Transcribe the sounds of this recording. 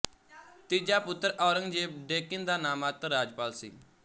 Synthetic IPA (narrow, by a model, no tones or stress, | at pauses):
t̪id͡ʒaːpʊt̪ːɾʔɔːɾəŋd͡ʒeːb̚ɖeːkɪnd̪aːnaːmaːt̪əɾaːd͡ʒpaːlsḭː